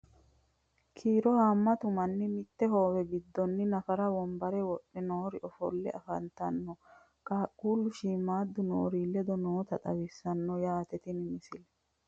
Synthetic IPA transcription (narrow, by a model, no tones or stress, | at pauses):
kʰiːɾɔhamːɐt̪ʊmɐnːɪmɪt̪ːɛɦoːwɛɡɪd̪ːɔnːɪnɐfɐɾɐwɔmbɐɾɛwɔɗːɛnoːɾɪʔɔfɔ̰lːɛ̰ʔɐfɐnt̪ɐnːɔ | kʼaːkʼːuːlʊʃiːmaːd̪ːʊno̰ːɾiːlːɛd̪ɔnoːt̪ɐt̪ʼɐwɪsːɐnːɔjaːt̪ɛt̪ɪnɪmɪsɪlɛ